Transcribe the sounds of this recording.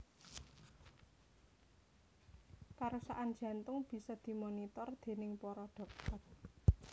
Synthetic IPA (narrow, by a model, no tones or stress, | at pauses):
kaɾosa̰ʔan̥ʒ̥ä̤nt̪ʊŋb̥i̤sɔd̪̥i̤monit̪ɔrd̪̥e̤nɪŋpɔɾɔɖ̪̥ɔ̤k̚t̪ɔr̚